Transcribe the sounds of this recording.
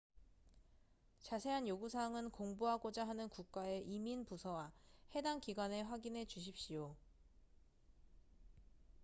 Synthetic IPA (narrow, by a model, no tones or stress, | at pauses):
t͡ɕasʰe̞ɦanjoɡusʰaŋɯnkoŋbuɦaɡod͡ʑaɦanɯnkuk̚k͈ae̞ʔiminpusʰʌwahe̞daŋkiɡwane̞ɸwaɡinɦe̞d͡ʑuɕ̬ʰip̚ɕ͈ijo